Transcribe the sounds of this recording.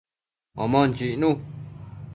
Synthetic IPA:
a̰mãn̩t͡ʃiʔnũ

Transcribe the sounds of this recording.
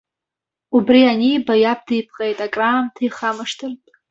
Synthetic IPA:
ubrianijbajap̚ʰdɨjpʰqʼejtʼakʼraːmtʰajχamɨʂtʰɨrtʼ

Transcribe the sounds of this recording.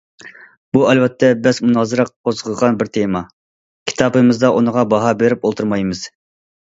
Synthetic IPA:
b̥uɛlwɛt̪ʰːɛbɪzmunɑːzɨɾɑqqʰozʁəʁɑnbɪɾt̪ʰemɑ | kʲʰi̥t̪ʰɑpɨmɨzd̪ɑʔunəʁɑbɑɦɑbeɾɪpolˠt̪ʰuɾmɑjmɨz̥

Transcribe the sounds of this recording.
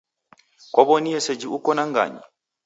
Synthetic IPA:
kʷɔbɔnijɛsɛd͡ʒiukɔnaŋɡa̰ːɲḭ

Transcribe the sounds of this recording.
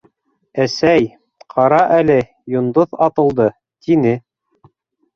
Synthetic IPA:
æsæj | qʰɑɾɑʔælɘ | jŏnd̪oðɑt̪ɤ̆lˠd̪ɤ | t̪inɘ

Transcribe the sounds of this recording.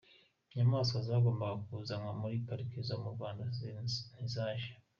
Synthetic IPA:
ɲamaːskazaɡo̞ːmbaɡakuzaŋwamuɾipaɾikizomuɾɡwaːndanizaːʃḁ

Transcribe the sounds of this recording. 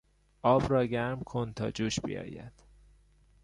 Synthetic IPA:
ʔɒːbrɒːɟæɾmkʰont̪ʰɒ̰ːd͡ʒuːʃbḭjɒ̰ːjæ̰d̪̥

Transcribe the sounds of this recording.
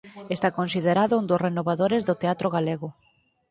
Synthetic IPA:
est̪akonsiðeɾaðʊund̪ʊsrenoβaðoɾezðʊt̪eat̪ɾoɣaleɣʊ

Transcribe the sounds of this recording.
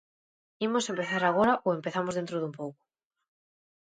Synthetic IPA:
imosempeθaɾaɣ̞oɾaʔoempeθamozðent̪ɾoðumpowkʊ̥

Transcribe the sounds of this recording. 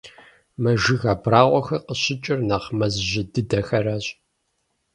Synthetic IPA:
mɐʒɪɣaːbraːʁʷɔxɐqəɕɪt͡ʃʼɪrnaːχmɐzʒɪdɨdɐxɐraːɕʼ

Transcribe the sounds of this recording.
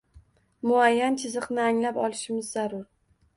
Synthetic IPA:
mʊajːant͡ʃʰɪzɨqnɪaŋlapɒlˠɪʃɪmɪzːaɾʊɾ

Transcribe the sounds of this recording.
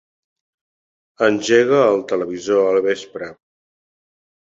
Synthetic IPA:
ənʲʒeɣ̞əːlˠt̪ələβizoəlˠβespɾə

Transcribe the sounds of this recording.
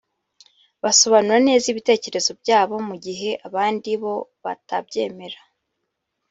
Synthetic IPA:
βaso̞βanuɾane̞ːziβite̞ːce̞ɾe̞zo̞bjɟaːβo̞muɟiɦe̞ʔaβaːndiβo̞βa̰tabɟe̞ːme̞ɾa

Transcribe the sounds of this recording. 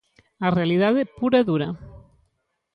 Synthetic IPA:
arealiðaðepuɾeðuɾa

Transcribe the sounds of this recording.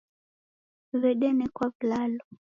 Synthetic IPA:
βɛɗɛnɛkwaβlalɔ

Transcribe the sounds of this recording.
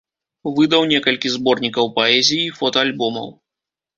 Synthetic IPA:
vɨd̪ɐwnʲɛkɐlʲkʲizbɔrnʲikɐwpɐɛzʲijːfɔt̪ɐalʲbɔmɐ̰w

